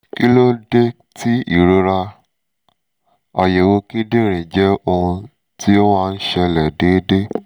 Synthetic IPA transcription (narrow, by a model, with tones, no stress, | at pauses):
ki˦lo˦de˦ | ti˦i˦˨ɾo˧ɾa˧ | ɔ˧jɛ˨wo˧ki˦de˦˨ɾ̃ĩ˨d͡ʒɛ˦o˧ũ˧ | ti˦o˦wa˦˧n̩˦ʃɛ˧lɛ˨de˨˦de˦